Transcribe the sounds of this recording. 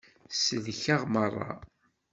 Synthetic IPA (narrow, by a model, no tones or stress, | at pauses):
səðçaʁmərˤːɑ̰